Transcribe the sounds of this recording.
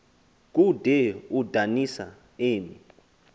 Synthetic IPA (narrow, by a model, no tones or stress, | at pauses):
k̬ʼud̥ʱɛud̥ʱanisa̰ | eːmi